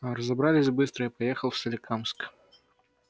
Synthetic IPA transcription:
ɾɐzɐbɾalʲɪsʲbɨst̪ɾəipajɛxəlˠfsɐlʲɪkʰamsk

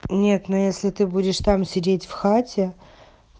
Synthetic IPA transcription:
nʲe̞t̪nojesʲlʲɪt̪ɨbudʲɪʂt̪amsʲɪdʲetʲfxatʲɪ

